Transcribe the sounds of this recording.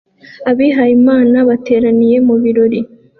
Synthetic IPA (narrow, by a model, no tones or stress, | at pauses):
aβiɦajimaːnaβate̞ːɾanije̞muβiɾo̞ɾi